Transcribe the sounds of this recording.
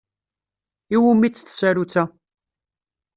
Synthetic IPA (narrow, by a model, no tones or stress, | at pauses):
iwumit͡sːθsæɾut͡sːæ